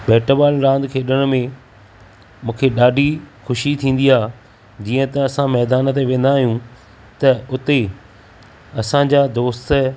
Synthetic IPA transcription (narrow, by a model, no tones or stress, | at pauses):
bɛːʈəbaːlɾãːnd̪kʰeːɗəɽ̃mẽ | mũːkʰeɗaːɖʱixʊʃit̪ʰĩːn̆d̪iɦaː | d͡ʑiːə̃t̪ɐɐsãmɛːd̪aːnət̪̬eʋẽːn̆d̪aːɦijũ | t̪ɐʊt̪e | ɐsãd͡ʑaːd̪oːst̪ə